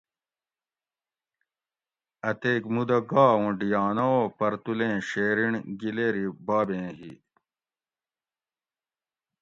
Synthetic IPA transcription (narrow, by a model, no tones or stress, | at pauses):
ɐt̪eːkmud̪ɐɡaːũɖijaːnopɐɾt̪ulẽːɕeːɾiɳɡileːɾibaːbẽːɦḭ